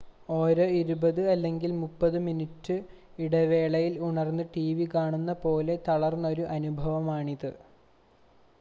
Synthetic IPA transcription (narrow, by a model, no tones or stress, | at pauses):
o̞ːɾoːiɾubɐðɨɐlːe̞ŋɡilmupːɐðɨminitːɨ | iɽɐʋe̞ːɭɐjiluɳɐrnːɨʈiʋikaːɳunːɐpo̞ːle̞t̪ɐɭɐrnːo̞ɾuʔɐnubʱɐʋɐmaːɳiðɨ